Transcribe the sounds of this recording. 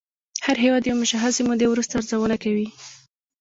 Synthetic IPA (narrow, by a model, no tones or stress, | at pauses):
haɾɦewɑd̪jawmʊʃaɦazemod̪ewɾust̪aːɾzawənakawi